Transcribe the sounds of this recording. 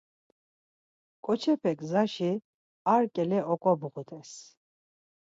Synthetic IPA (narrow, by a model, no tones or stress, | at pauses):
kʼɔt͡ʃʰɛpʰɛkʼzaʃi | aɾkʼɛlɛʔɔkʼɔbʁut̪ʼɛs